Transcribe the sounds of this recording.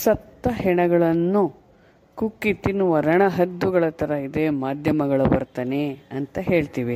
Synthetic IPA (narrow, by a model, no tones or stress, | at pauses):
sɐt̪ːɐɦɛɳɐɡɐɭɐnːu | kukːit̪inuʋɐɾɐɳɐɦɐd̪ːuɡɐɭɐt̪ɐɾɐid̪e̞maːd̪ʱjɐmɐɡɐɭubɐ̰ɾt̪ɐneɐnt̪ɐɦe̞ːɭt̪iːʋi